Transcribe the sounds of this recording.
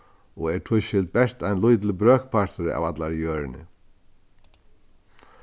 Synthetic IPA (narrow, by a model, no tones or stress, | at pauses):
ɔɣɛɾt̪ʰʊʃɪlt̪̚bɛr̥t̪ajnlujt̪̬lɪbɾœːkpʰaɾ̥t̪ʏɾɪa̰vat̪laɾjœːɾɪnɪ̰